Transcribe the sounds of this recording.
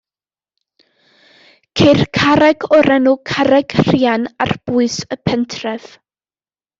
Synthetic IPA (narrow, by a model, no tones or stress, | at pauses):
kʰer̥kʰaɾɛɡɔɾɛnukʰaɾɛɡ̥r̥ianarb̥uɨsəpʰɛntʰrɛv̥